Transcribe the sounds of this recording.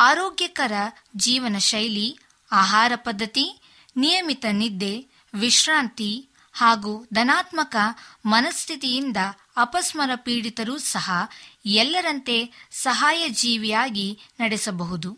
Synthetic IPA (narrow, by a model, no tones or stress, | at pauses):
aːɾoːɡjɐkɐɾɐ | d͡ʒiːʋɐnɐʃɐjli | aːɦaːɾɐpɐd̪ʱːɐt̪i | nijɐmit̪ɐnid̪ːe̞ | ʋiʃɾaːnt̪i | haːɡuːd̪ɐnaːt̪mɐkɐmɐnɐst̪ʰit̪ijind̪ɐː | pɐsmɐɾɐpiːɽit̪ɐɾuːsɐɦɐɛlːɐɾɐnt̪e̞sɐɦaːjɐd͡ʒiːʋijaːɡinɐɽesɐbɐɦud̪u